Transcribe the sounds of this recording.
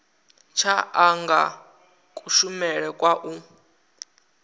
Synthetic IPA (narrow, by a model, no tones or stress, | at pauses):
t͡ʃʰaaŋɡa̰ | kʼuʃumɛɺɛkʼwaʔu